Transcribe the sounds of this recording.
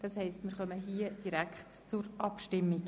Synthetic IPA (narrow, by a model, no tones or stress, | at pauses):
d̥ɑshɛɪstmɪːɾχœməɦiːəd̥iɾækχt | t͡sʊɾʔɑpʃtɪmːik